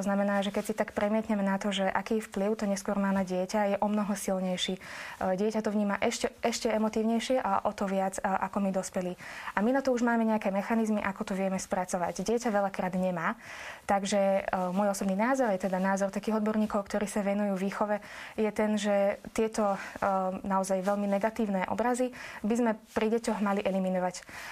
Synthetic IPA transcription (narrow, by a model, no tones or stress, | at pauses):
t̪ɔznamɛnaːʒɛkɛcsit̪akpɾɛmɪɛt̪ɲɛmɛnat̪ɔʒɛʔakiːfpliʊt̪ɔɲɛskʊɔɾmaːnaɟɪɛcajɛʔɔmnɔɦɔsilɲɛjʃiːɟɪɛcat̪ɔʋɲiːmaʔɛʃcɛɛʃcɛɛmɔt̪iːʊɲɛjʃɪɛʔaʔɔt̪ɔʋɪad͡zʔa̰kɔmid̪ɔspɛliaminat̪ɔuʒmaːmɛɲɛakɛːmɛxanizmiʔakɔt̪ɔʋɪɛmɛspɾat͡sɔʋa̰ɟɟɪɛcaʋɛlakɾaːd̪ɲɛmaːt̪aɡʒɛmʊɔjɔsɔbniːnaːzɔɾjɛt̪ɛd̪anaːzɔɾt̪akiːɦɔd̪bɔɾɲiːkɔʊkt̪ɔɾiːsaʋɛnujuːvʋiːxɔʋɛjɛt̪ɛnʒɛt̪ɪɛt̪ɔ | naɔzajʋɛlminɛɡat̪iːʊnɛʔɔ̰bɾazibizmɛpɾiɟɛcɔɣmaliʔɛliminɔʋac